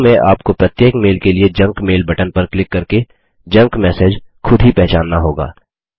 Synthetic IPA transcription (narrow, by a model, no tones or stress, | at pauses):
mẽʔa̰ːpkopɾɐt̪jeːkmeːlkelied͡ʒɐ̃ŋkmeːlbʱɐʈənpɐɾklɪkːɐɾke | d͡ʒɐ̃ŋkmɛːseːd͡ʒxʰʊd̪ʱɦipɛɦt͡ʃaːnːaɦoːɡa̰ː